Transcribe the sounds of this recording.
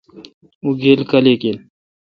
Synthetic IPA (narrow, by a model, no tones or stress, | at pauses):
uɡʱelkɐleːkel